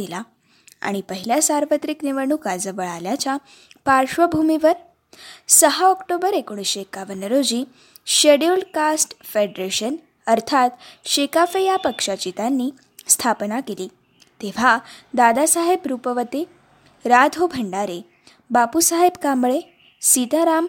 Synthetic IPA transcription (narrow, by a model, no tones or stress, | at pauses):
ila | a̰ɽ̃ipəɦiljasaɾʋət̪ɾikniʋəɳ̃uːkad͡zəʋəɭaljat͡ɕa | paɾɕʋəbʱumiʋəɾ | səɦaɔkʈobəɾekoɳ̃iɕekaʋənəɾod͡ʑiː | ɕeɽulkasʈfeɖɾeɕən | əɾt̪ʰat̪ɕekafəjapəkʂat͡ɕit̪anːi | st̪ʰapnakeliː | t̪eʋ̤ad̪ad̪asaɦebɾupəʋət̪e | ɾad̪ʱobʱəɳɖaɾe | bapusaɦebkambɭe | sit̪aɾam